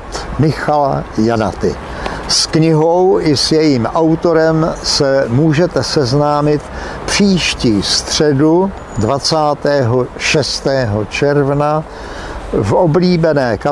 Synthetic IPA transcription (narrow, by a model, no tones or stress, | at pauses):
mɪxala̰jana̰t̪ɪ̰ | skɲɪɦowʔɪsjɛjiːmʔawt̪o̞ɾɛmsɛmuːʒɛt̪ɛsɛznaːmɪt̪ | pr̥iːʃciːst̪r̝̥ɛdu | dvat͡saːt̪ɛːɦoʃɛst̪ɛːɦot͡ʃɛɾvna | vobliːbɛnɛːka